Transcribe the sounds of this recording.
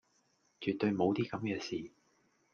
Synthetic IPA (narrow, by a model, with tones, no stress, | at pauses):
t͡ʃyː˨t̪ːɵ˧ɥmo˨˧wt̪iː˥kɐ˨˥mkɛː˧siː˨˩